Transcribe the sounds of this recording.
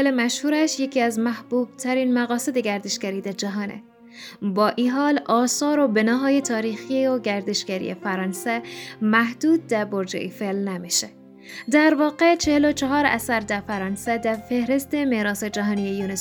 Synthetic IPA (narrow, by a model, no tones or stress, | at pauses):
elemæʃhuːɾæʃjecʰiːæzmæhb̥uːb̥̚t̪ʰæɾinmæɣɒːsed̪eɡæɾd̪eʃɡæɾiːd̪æɾd͡ʒæɦɒːnḛ | bɒːʔiːɦɒːlɒːsɒːɾobenɒːɦɒːjet̪ʰɒːɾiːxioɡæɾd̪eʃɡ̥æɾḭefæɾɑːnsemæhd̪uːd̪̚d̪æɾboɾd͡ʒḛʔifelnæmiʃe | d̪æɾvɒːqet͡ʃʰehelot͡ʃʰɔɦɒːɾæ̰sæɾd̪æɾfæɾɒːnsæd̪æɾfehɾest̪emeɾɒːsed͡ʒæɦɒːnijejunes